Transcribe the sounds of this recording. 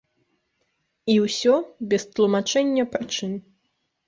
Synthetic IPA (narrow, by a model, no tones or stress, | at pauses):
iwsʲɔbʲɛst̪lˠumat͡ʂɛnʲːɐpɾɨt͡ʂɨm